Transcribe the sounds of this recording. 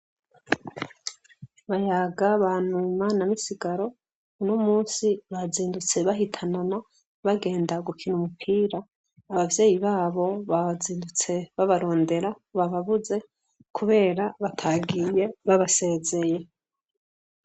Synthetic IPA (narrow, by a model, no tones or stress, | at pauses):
βajaːɡaβanumanamisiɡaɾo̞ | unomuːnsiβaziːndut͡se̞βaɦitʰanana | βaɡe̞ːndaɡukʰinumupʰiːɾaː | βavje̞ːjiβaːβo̞βaziːndut͡se̞βaβaɾo̞ːnde̞ɾa | βaβaβuze̞ | kʰuβe̞ːɾaβatʰaɡije̞βaβase̞ːze̞je̞